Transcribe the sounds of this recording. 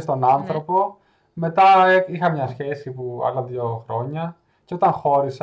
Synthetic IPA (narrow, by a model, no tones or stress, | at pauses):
st̪o̞nɐnθɾo̞po̞ | me̞t̪ɐixɐmɲɐsçe̞sipuɐ̰lɐðioxɾo̞ɲɐ | ceo̞t̪ɐŋxo̞ɾis